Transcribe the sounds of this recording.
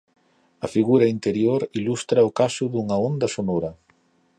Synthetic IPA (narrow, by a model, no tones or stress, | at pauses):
ɐfiɣuɾɐint̪eɾjoɾilust̪ɾɐʊkasʊðuŋɐond̪ɐsonɔɾɐ